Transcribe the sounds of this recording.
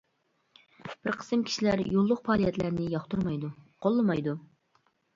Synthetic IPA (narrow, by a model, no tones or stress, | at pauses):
b̥ɪɾqʰə̥sɨmkʲʰi̥ʃilæɾjolˠːʊq̚pʰɑːlˠijɛt̪læɾnɪjɑχt̪uɾmɑjd̪uqʰolˠːɨmɑjd̪u